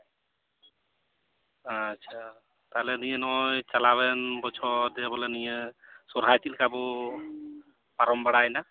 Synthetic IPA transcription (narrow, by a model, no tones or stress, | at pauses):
tːʃʰa | t̪alɛnijenɔjt͡ʃalabɛnbɔt͡ʃʰɔd̪ebɔlenijesɔɾat̪ilkabɔ | paɾɔmbəɽajna